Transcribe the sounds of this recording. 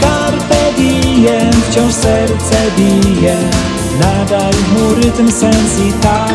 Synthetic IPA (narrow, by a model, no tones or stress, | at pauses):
kaɾpɛd̪ijɛnt͡ɕɔw̃sɛɾt͡sɛbijɛ | nad̪ajmuɾɪt̪ɨmsɛmzit̪a